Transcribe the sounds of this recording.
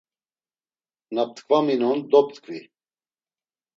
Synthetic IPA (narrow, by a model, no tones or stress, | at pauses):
nap̚t̪kvaminɔnd̪ɔp̚t̪kʰvi